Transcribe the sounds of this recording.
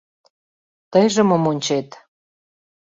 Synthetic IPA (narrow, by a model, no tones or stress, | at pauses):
t̪əjʒə̆məmonʲt͡ɕet̪